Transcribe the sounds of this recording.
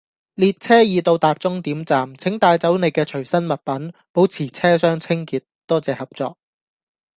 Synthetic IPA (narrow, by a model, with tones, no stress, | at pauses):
liː˨˧t̚t͡sʰɛː˥jiː˨˧t̪o˧wt̪aː˨˧t̚t͡sʊ˥ŋt̪iː˨˥mt͡saː˨mt͡sʰɪ˨˥ŋt̪aː˧jt͡sɐ˨˥wne˨˧jkɛː˧t͡ʃʰɵ˨˩ɥsɐ˥nmɐ˨t̚pɐ˨˥npo˨˥wt͡sʰiː˨˩t͡sʰɛː˥sœː˥ŋt͡sʰɪ˥ŋkiː˨˧t̚t̪ɔː˥t͡sɛː˨hɐ˨p̚t͡sɔː˧k̚